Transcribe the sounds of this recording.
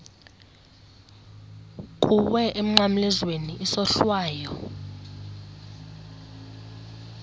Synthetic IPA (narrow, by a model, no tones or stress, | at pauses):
k̬ʼuwɛʔem̩ŋ͡ǀam̩lɛzweniʔːsɔɬwaːjɔ